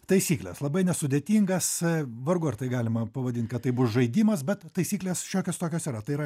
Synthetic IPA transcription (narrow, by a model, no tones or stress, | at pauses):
t̪ɐɪsʲiːklʲḛslˠɐbɐɪnʲɛsʊd̪ʲet̪ʲiːŋɡɐsʋɐɾɡʊɐɾt̪ɐɪɡɑːlʲɪmɐpɐʋɐd̪ʲɪnt̚ʲkɐt̪ːɐɪbʊsʒɐɪd̪ʲiːmɐsbʲɛt̪t̪ɐɪsʲiːklʲeːsʃʲoːkʲost̪oːkʲoːsiːɾɐt̪ɐɪiɾɐ